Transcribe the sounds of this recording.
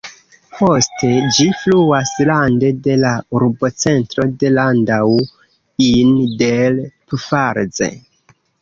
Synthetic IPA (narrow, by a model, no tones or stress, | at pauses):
po̞stʰe̞d͡ʒifluaslande̞de̞lauɾbo̞t͡se̞ntɾo̞de̞landaw | indelpfaɾd͡ze̞̰